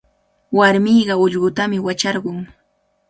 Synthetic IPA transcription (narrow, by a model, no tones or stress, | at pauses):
waɾmijɢɑʊʎɢʊt̪amɪwat͡ʃɑɾɢʊŋ